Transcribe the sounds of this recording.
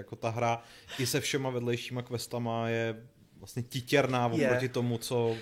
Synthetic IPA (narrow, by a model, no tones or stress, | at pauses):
jako̞t̪aɦɾaʔɪsɛfʃɛmavɛdlɛjʃiːmakvɛst̪amajɛ | vlastɲɛcɪcɛɾnaːvopɾocɪt̪o̞mut͡so